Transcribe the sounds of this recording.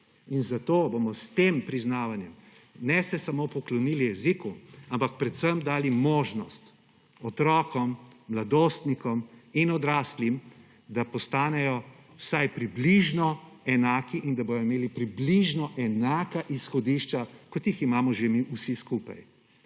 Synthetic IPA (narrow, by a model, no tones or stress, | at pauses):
inzat̪oːbomɔst̪empɾiznaːʋanjɛm | nɛsɛsamoːpɔklɔnilijɛzikuampak̚pɾɛt̪səmd̪aːlimoːʒnɔst̪ | ɔt̪ɾɔːkɔmːlad̪oːst̪nikɔminɔd̪ɾaːslim | d̪apɔst̪aːnɛjɔ | wsajpɾibliʒnɔ | ɛnaːkiʔind̪aboːjɔimeːlipɾibliʒnɔʔɛnaːkaʔisxɔd̪iːʃt͡ʃakɔt̪jiximaːmɔʒemiʔusiskuːpa̰j